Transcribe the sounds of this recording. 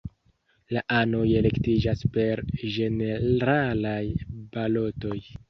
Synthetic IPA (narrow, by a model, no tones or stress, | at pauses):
laʔano̞je̞le̞ktid͡ʒaspe̞ɾʒe̞ne̞ɾalajbalo̞to̞j